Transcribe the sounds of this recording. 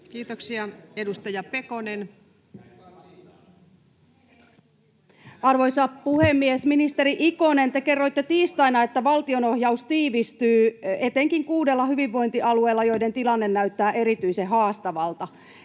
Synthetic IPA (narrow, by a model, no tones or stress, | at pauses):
kiːt̪oksiɑedust̪ɑjɑpekonen | ɑrʋo̞jsɑpuhemːiesminist̪eɾiʔikone̞nt̪eke̞rːo̞jt̪ːet̪iːst̪ɑjnɑe̞t̪ːæʋɑlt̪iono̞hjɑust̪iːʋist̪yːe̞t̪eŋkiŋkuːdelːɑhyʋiʋːo̞jnt̪iʔɑlue̞ːlːɑjo̞jde̞nt̪ilɑnːe̞nːæyɥt̪ːæːʔe̞ɾit̪yjseɦɑːst̪ɑʋɑlt̪ɑ